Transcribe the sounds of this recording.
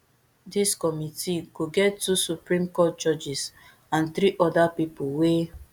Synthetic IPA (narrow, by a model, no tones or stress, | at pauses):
diskɔmitiɡoɡɛtːusupɹĩmkɔt̚t͡ʃɔd͡ʒis | ãnθɾiʔɔdapipuwe